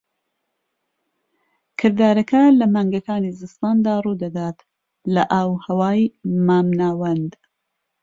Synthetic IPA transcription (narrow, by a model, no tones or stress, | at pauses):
kʰɨɾd̪aːɾɐkɐlɐmaːŋɡɐkaːnizɨst̪aːnd̪aːruːd̪ɐd̪aːt̪ | lɐʔɐwhɐwaːjmaːmnaːwɐnd̪